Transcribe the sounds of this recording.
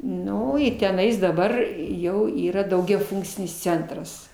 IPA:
ˈnʊ ɪ tʲɛˈnɐɪs dɐˈbɐr ˈjɛʊ ˈiːrɐ dɐʊɡʲɛˈfʊŋkt͡sʲɪnʲɪs ˈt͡sʲɛntrɐs

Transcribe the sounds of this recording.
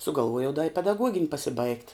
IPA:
sʊɡɐlˠˈʋuɔjɛʊ dɐ ɪ pʲɛdɐˈɡuɔɡʲɪnʲ pɐsʲɪˈbɐɪkt

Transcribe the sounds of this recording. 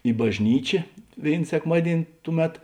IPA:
ɪ bɐʒʲˈnʲiːt͡ʃʲeː ˈʋʲeːɪn sʲɛkˈmɑːdʲiɛnʲ ˈtʊˌmʲɛt

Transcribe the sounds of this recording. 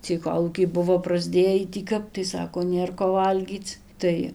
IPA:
t͡sʲiɛj ˈkoːlˠuːkʲɛɪ ˈbʊʋoː prɐzʲˈdʲeːjiː tʲiː ˈkɐp tɐɪ ˈsɑːkoː ˈnʲeːr koː ˈʋɐlʲɡʲiːt͡s ˈtɐɪ

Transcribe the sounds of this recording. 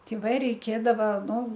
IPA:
ˈtʲɪ ʋɐ rʲɛɪˈkʲeːdɐʋɐ nʊ

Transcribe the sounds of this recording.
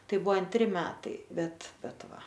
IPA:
ˈtɐɪ ˈbʊʋoː ɐnʲˈtʲrʲɪ ˈmʲæːtɐɪ ˈbʲɛt ˈbʲɛt ˈʋɐ

